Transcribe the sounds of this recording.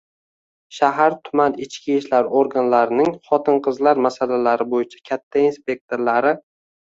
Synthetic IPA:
ʃaɦaɾt̪ʰʊmanɪt͡ʃkʲiʃlaɾoɾɡanlaɾɪnɪŋχɒt̪ʰɪnqʰɨzlaɾmasalalaɾɪbojɪt͡ʃʰḁkʲʰat̪ʰːainspʲe̞k̚t̪ʰoɾlaɾɪ

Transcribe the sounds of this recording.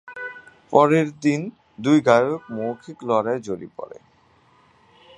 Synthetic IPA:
pɔɾeɾd̪in | d̪ujɡajooekmowkʰiklɔɾaed͡ʑoɾḭpɔ̰ɾḛ

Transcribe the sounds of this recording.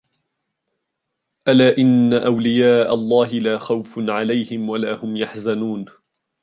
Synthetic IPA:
ʔalaːʔɪnːaʔawlɪjaːʔalˤːɑːɦɪlaːxawfʕalajhɪmwalaːhʊmjaħzanuːn

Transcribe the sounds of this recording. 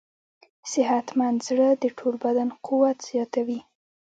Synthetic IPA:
sɪɦat̪mand̪zɽəd̪əʈʰolbad̪anqʰuwat̪z̥jɑt̪awi

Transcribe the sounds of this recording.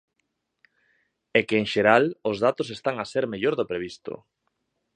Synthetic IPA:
ɛkeːŋʃeɾalʊzðat̪os̬est̪aŋaseɾmeʎoɾðopɾeβ̞ist̪o̰

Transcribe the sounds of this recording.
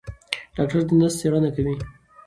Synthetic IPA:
ɖ̥ɑk̚ʈaɾd̪ənast̪eɾɑnakawi

